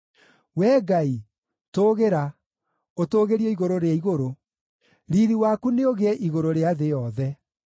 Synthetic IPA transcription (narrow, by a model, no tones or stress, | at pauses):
wɛːɡai | toːɣeɾa | otoːɣeɾiɔiɣoɾoɾeaiɣoɾo | ɾiɾiwakuneoɣeɛʔiɣoɾoɾeaðejɔðɛ